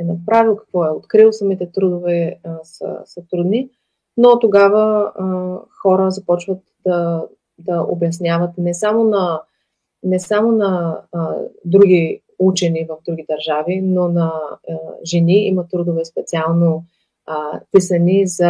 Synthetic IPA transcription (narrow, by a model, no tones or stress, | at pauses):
ɛnɐpɾavilˠkɐ̥kvɔɛot̪kɾilˠsɐmit̪ɛt̪ɾud̪ovɛsə̰sɐt̪ɾud̪ni | not̪oɡavə | xɔɾəzɐpɔt͡ʃvət̪d̪ɐ | d̪ɐʔo̰bjɐsnʲjavət̪nɛsamonɐ | nɛsamonɐ | d̪ɾuɡ̟i | ut͡ʃɛnivəvd̪ɾuɡid̪ɐɾʒavinonɐ | ʒɛniḭmɐt̪ːɾud̪ovɛspɛt̪sialˠno | p̪isɐnizɐ